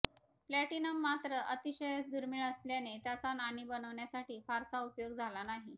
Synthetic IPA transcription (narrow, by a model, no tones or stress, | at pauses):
plæʈinəmːat̪ɾəʔət̪iɕəjət͡sd̪uɾmiɭəsljanet̪jat͡sananiːbənəʋɳjasaʈiːfaɾsaupjoɡd͡zʱalanaɦi